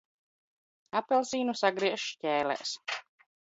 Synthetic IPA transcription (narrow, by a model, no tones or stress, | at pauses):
apɛlˠsiːnusaɡɾiɛʃʃcɛːlɛ̰ːs